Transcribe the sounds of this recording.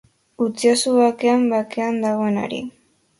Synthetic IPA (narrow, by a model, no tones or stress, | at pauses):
ut͡siasuβakeambakeand̪aɣo̞e̞na̰ɾḭ